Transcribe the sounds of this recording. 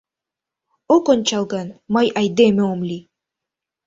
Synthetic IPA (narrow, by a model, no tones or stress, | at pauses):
okonʲt͡ɕɑlˠɡɑnmɑjʔɑjd̪emĕomlʲi